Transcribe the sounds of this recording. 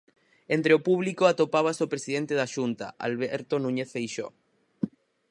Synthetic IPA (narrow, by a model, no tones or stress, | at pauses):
ent̪ɾeopuβlikoat̪opaβ̞asopɾesiðent̪eðaʃunt̪a̰a̰lβeɾt̪onũɲeθfejʃo̰